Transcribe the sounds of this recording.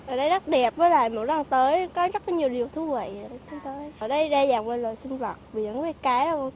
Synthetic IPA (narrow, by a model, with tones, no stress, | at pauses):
ʔəː˨˩ɗə˧jza˦˥t̚ɗɛ˨˩p̚vəː˨˦jlaː˧˨jmo˨˩t̚za˧˩nt̪əː˨˦jkɔ˨˦zə˦˥t̚ɲi˨˩əwɗi˨˩əwt̪ʰu˨˦və̰˧˨jt̪ʰi˧˦nt̪əː˨˦jəː˧˩ɗə˧jɗaː˧zaː˨˩ŋvə˧lo̰˧˨jsï˧ŋ̟və˨˩t̚vi˨˩ə̰˧˨˩ŋ˧˦a˧˦kaː˨˦j